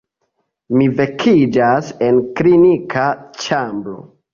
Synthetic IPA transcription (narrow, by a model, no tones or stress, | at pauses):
mivekʰid͡ʒase̞nklinikʰat͡ʃambɾo̞̰